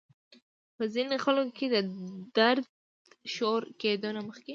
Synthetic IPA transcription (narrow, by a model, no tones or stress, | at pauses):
pəzinoxəlkoked̪əd̪aɾd̪̚ | ʃoɾked̪onaməxke